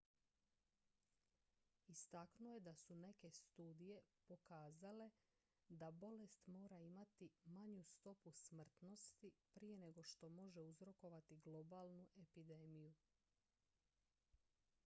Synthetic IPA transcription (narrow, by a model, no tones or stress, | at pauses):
ist̪aknujed̪asune̞ke̞st̪uːd̪ije̞po̞kaːzale̞ | d̪abo̞le̞st̪mo̞ːɾaimat̪imaɲust̪o̞pusmr̩t̪no̞st̪ipɾije̞ne̞ɡo̞ʃt̪o̞mo̞ʒe̞uzɾo̞ko̞ʋat̪iɡlo̞baːlˠnuʔe̞pid̪e̞ːmiju